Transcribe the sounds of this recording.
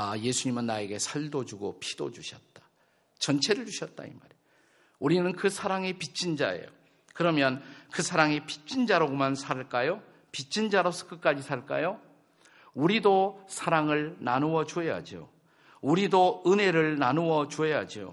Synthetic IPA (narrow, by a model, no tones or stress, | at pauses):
aje̞sʰuɲimɯnːae̞ɡe̞sʰaɭdod͡ʑuɡopʰid̥o̰d͡ʑuɕʰʌt̚t͈ḁ | t͡ɕʌnt͡ɕʰe̞ɾɯɭd͡ʑuɕʰʌt̚t͈a̰ḭmaɾe | uɾinɯnkɯsʰaɾaŋe̞pit͡ɕ͈ʰind͡ʑae̞̰jo̰ | kɯɾʌmjʌnkɯsʰaɾaŋepi̥t͡ɕ͈ind͡ʑaɾoɡomansʰaɭk͈ajo | pit͡ɕ͈ʰind͡ʑaɾosʰʌ̥kɯk͈ad͡ʑisʰaɭk͈a̰jo | uɾidosʰaɾaŋɯɭnanuwʌd͡ʑue̞ja̰d͡ʑio̰ | uɾidoɯne̞ɾɯɭnanuwʌt͡ɕuɦe̞jad͡ʑio̰